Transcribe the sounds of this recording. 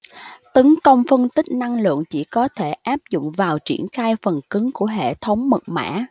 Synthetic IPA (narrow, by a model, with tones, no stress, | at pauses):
t̪ə˨˦ŋkə˧wŋ͡mfɨ˧ənt̪ï˦˥k̟̚na˧ŋlɨ̰˧˨əŋt͡ɕi˧˩kɔ˨˦t̪ʰe˧˩ʔaː˦˥p̚zʊ̰˧˨ŋ͡mvaː˨˩wt͡ɕḭ˧˩ənxaː˧jfə˨˩nkɨ˨˦ŋku˧˩əɦḛ˧˨t̪ʰə˨˦wŋ͡mmɨ˨˩t̚ma̰ː˧˥